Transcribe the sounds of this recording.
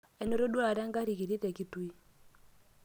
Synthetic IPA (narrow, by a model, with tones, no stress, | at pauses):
ɛ˨nɛ˦ɾo˦ɗwa˨ɾɛ˦ŋɡa˦ɾi˨ki˨ɾi˦tɛ˨ki˦twi˦